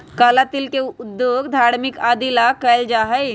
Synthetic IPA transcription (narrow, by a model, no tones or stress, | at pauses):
kalat̪iːlkeud̪joɡd̪ʱaɾmikad̪ilakəld͡ʒaɦəj